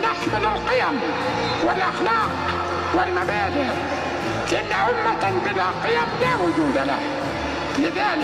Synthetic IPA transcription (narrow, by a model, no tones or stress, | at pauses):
naħsɑlalqɪjam | wɪlʔɑxlɑːq̚ | wɪlmabaːd̪ɪʕ | lɪʔanːaʕʊmːabɪðaqɨjamlaːwʊd͡ʒuːd̪ala̰h | lɪðaːlɪ